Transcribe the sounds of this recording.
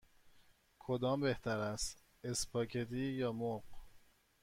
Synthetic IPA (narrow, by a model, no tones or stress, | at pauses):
kʰod̪ɒːmbe̞ht̪ʰæɾæst̪ | espʰɒːcʰet̪iːjɒːmoq